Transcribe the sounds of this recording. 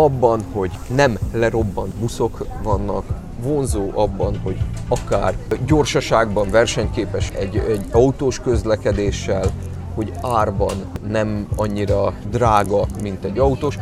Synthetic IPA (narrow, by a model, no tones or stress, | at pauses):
ɒbːɒnho̞ɟ | nɛmlɛɾo̞bːɒnt̪buso̞kvɒnːɒ̰k | vo̞nzoːʔɒbːɒnho̞ɟɒkaːrɟo̞rʃɒʃaːɡbɒɱvɛrʃɛɲkeːpɛʃɛɟɛɟɒut̪oːʃkø̞zlɛkɛd̪eːʃːɛl | ho̞ɟaːrbɒnːɛmɒɲːiɾɒd̪raːɡɒmint̪ɛɟːɒut̪oːʃ